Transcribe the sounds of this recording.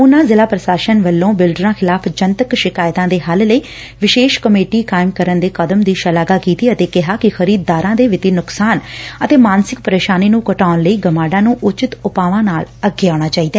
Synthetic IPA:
ʊnãːzɪlaːpɾəʃaːʃənʋəlːõːbɪlɖɾãːxʰɪlaːpʰd͡ʒənt̪əkʃɪkaːjt̪ãːd̪eːɦəlləiː | ʋɪʃeːʃkəmeːʈiːkaːɪmkəɾənd̪eːkəd̪əmd̪iːʃəlaːɡaːkiːt̪iːət̪eːkɪɦaːkɪxʰəɾiːd̪̚ːaːɾãːd̪eːʋɪt̪iːnʊksaːnət̪eːmaːnsɪk̚pəɾeːʃaːniːnũːkəʈaːnləiːɡəmaːɖãːnũːʔʊt͡ʃɪt̪ʊpaːʋãːnaːləɡːeːaːɽ̃aːt͡ʃaːiːd̪aː

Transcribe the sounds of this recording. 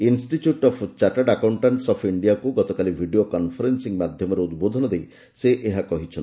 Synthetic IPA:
insʈiʈjuʈɔpʰt͡ʃaʈaɖakawɳʈaɳʈsɔpʰiɳɖijakuɡɔt̪ɔkalibʱiɖiokɔnpʰɔɾensiŋmad̪ʱjɔmɔɾeud̪bod̪ʱɔnɔd̪ej | seʔeɦakɔɦit͡ʃʰɔnt̪i

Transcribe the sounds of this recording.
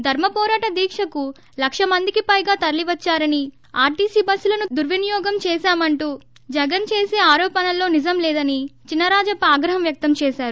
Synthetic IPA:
d̪ʱɐɾmɐpɔːɾaːʈɐd̪iːkʂɐku | lɐkʂɐmɐnd̪ikipɐjɡaːt̪ɐɾliʋɐt͡ʃːaːɾɐni | aːɾʈiːsiːbɐsːulɐnud̪uɾʋɐnijɔːɡɐmt͡ʃɛːʃaːmɐɳʈuː | d͡ʒɐɡɐnt͡ʃeːseːaːɾɔːpɐnɐlo̞ːnid͡ʒɐmlɛːd̪ɐnit͡ʃinːɐɾaːd͡ʒɐpaːɡɾɐɦɐmjɐk̚t̪ɐmt͡ʃɛːʃaːɾu

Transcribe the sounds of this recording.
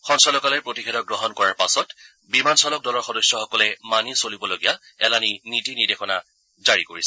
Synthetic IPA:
xɔnsɔlɔkalɛpɹotikʰɛdɔɡɹɔɦɔnkɔɹaɹpasɔt | bimansɔlɔk̚dɔlɔɹxɔdɔsjɔxɔkɔlɛmanisolibɔloɡija | ɛlaninitinidexʰɔna | zaɹikoɹisɛ

